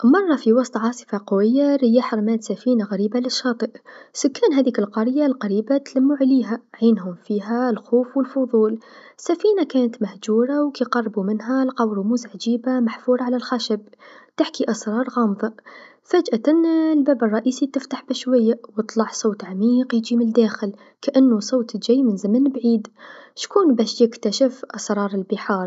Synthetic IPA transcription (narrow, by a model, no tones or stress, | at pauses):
mɑrˤːɑfiwɑsˤt̪ˤʕɑːsˤɨ̥fɑqʊwɪjːaɾɪjːaħɾmæːt̪safiːnaɣæɾiːbalɪʃːɑːt̪ˤɨʔsʊkːæːnɦæːðiːkɪlqɑɾjalqɑɾiːbat̪lamːuʕaliːɦaʕiːnɦʊmfiːɦalxoːfwəlfʊðˤuːlsːafiːnakæːnət̪mahd͡ʒuːɾˤawkiqɑrˤːbumɪnɦalqɑwɾumuzʕad͡ʒiːbamaħfuːɾˤɑʕalalxaʃabt̪ɪħkiʔɑsɾˤɑːɾˤɣɑːmðˤɑ | fæd͡ʒʔaʔɪnːlbæːbɨrˤːɑʔiːsit̪ɪft̪aħbɪʃwajːawɨt̪ˤlɑʕsˤoːt̪ʕamiːqjd͡ʒimɪnd̪æːxɪl | kaʔɪnːusˤoːt̪d͡ʒæjmɪnzamənbʕiːd̪ʃkuːnbæːʃjɪkt̪aʃɪfʔɑsɾˤɑːɾˤɪlbəħɑːɾˤ